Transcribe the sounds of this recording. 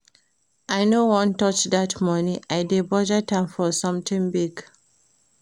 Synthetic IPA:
ʔajnowɔ̃ntɔt͡ʃdatmɔnĩʔaɪdebɔd͡ʒətʰãɪmfɔsʌ̃mtɪ̃ŋbiɡ

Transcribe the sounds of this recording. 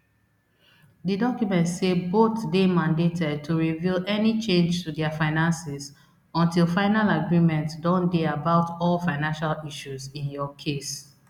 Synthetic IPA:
didɔkjumɛ̃ntseboθdemãndetʰɛd̚tʰuɹivilɛnit͡ʃẽnd͡ʒtudɛafaɪnãnsɛz | ɔ̃ntilˠfãɪnalaɡɹĩmɛ̃ntdɔ̃ndeabaʊtɔlfãɪnãnʃaliʃuzĩnjɔkʰes

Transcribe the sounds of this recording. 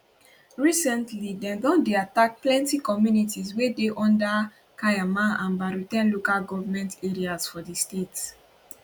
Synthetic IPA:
ɹisɛ̃ntlidɛ̃ðɔ̃ndeatak̚plɛ̃ntikɔmjunitizwedeʔɔ̃nda | kajamaãnbaɹutɛ̃nlokalɡɔvamɛ̃nteɹiazfɔdistets

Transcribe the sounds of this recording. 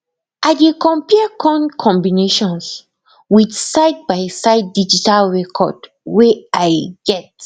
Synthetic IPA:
ʔadekɔ̃mpiəkʰɔ̃nkʰɔ̃mbineʃɔ̃ns | widsaɪd̚bajsaɪdːid͡ʒitalɹɛkʰɔ̰d | wɛʔajɡ̥ɛt

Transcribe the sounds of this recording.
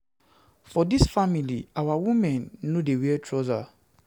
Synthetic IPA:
fɔdisfamiliawawũmɛ̃nːodewiɛtʰɹɔza

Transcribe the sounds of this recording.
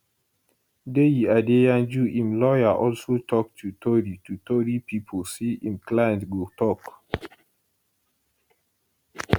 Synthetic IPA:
dejiadejãnd͡ʒuʔĩmlɔjaʔɔlsotʰɔk̚tʰutʰoɾitʰutoɾipʰipʰosiĩmklaj̃ntɡotʰɔk

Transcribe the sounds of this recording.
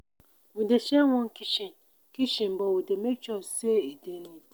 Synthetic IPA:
wũdeʃewɔ̃ŋkiʃĩn | kiʃĩm̩bɔwudemet͡ʃɔseedenĩ

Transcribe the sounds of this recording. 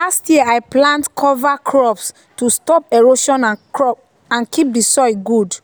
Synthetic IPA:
lastjiajplãntkʰɔvakʰɹɔps | tustɔpɛɹoʃɔ̃nãnkɹɔp̚ | ãnkip̚disɔɪɡud

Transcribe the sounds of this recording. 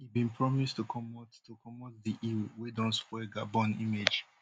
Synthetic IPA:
hibĩnpʰɹɔmistukʰɔmɔttukɔmɔtdiʔiwidɔ̃nskwɛɡabɔ̃nimed͡ʒ

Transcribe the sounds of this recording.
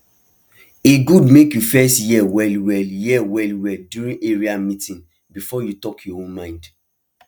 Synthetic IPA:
eɡudmekjufɛstjɛwɛlwɛljɛwɛlwɛldjuɹĩneɹiamĩtĩn | bifɔjutɔkʰjɔõnmãɪ̃nd

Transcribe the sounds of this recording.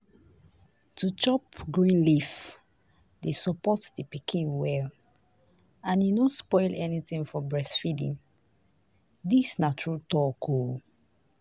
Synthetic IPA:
tut͡ʃɔpɡɹĩnlif | desɔpɔtdipikʰĩnwɛl | ãnjinõspɔɪlʔɛnitĩŋfɔbɹɛsfidḭ̃n | disnat͡ʃɹutɔkʰo

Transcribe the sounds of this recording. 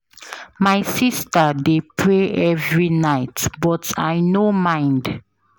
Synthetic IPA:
majsistədepʰɹeɛvɹinaɪtbɔtajnomãɪ̃nd

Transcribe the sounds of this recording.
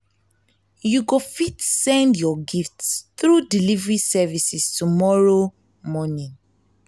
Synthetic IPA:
juɡofitsɛ̃ndjɔɡiftsθɹudilivɹisɛvisistumɔɹo | mɔnĩn

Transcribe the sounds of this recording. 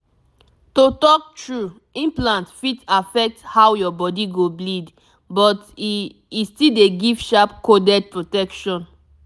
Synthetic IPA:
totɔk̚tɹu | ĩnplãntfitafɛk̚thawjɔbɔdiɡoblid | bɔt | istideɡivʃapkodɛd̚pɹotɛkʃɔ̃n

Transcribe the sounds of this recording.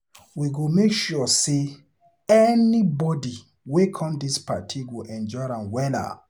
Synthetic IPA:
wiɡomekʃuse | ɛnibɔdi | wekʰɔ̃mdispa̰tʰiɡoʔɛ̃nd͡ʒɔɪɾãnwɛla̰

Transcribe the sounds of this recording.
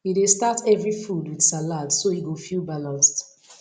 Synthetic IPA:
idestatɛvɹifudwid̥saladsoiɡofilˠbalãnst

